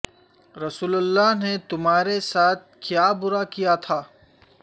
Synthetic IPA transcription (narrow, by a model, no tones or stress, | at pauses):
ɾɐsuːləlːaɦnet̪ʊmɦaːɾesaːt̪̚ʰkjaːbʊɾakijat̪ʰaː